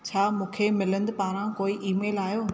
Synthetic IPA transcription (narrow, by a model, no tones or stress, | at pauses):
t͡ɕʰaːmũːkʰemɪlə̃nd̪paːɾãkoːiʔiːmeːlaːjoː